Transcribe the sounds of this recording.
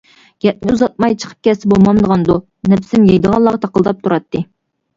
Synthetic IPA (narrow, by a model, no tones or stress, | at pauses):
jɛt̪̚nʲɪuzɑt̪̚mɑjt͡ʃʰə̥qʰə̥p̚kʲʰɛsɪbolˠmɑmd̪əʁɑnd̪u | nɛpsɪmjɑjd̪əʁɑlˠːɑʁɑt̪ʰɑqəlˠd̪ɑp̚t̪ʰuɾɑt̪ʰːɨ